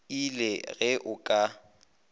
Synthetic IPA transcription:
ilɛɣɛʔʊkʼa

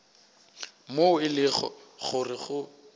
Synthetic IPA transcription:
moʊɪlɪχɔ̰χʊrɪχʊ

